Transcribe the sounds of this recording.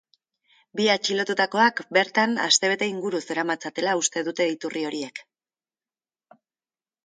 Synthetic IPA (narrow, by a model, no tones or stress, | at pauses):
biat͡ʃilo̞t̪ut̪ako̞akbe̞ɾt̪ana̰st̪e̞β̞e̞t̪e̞iŋɡuɾuse̞ɾamat͡sat̪e̞laust̪e̞ðut̪e̞it̪urʔio̞ɾie̞k